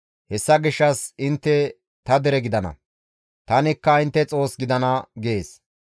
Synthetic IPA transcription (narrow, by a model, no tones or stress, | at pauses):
hɛsːɐɡɪʃːɐsɪnt̪ːɛ | t̪ɐd̪ɛɾɛɡɪd̪ɐnɐ̰ | t̪ɐnɪkːɐɪnt̪ːɛt͡sʼo̞ːsɡɪd̪ɐnɐɡe̞ːs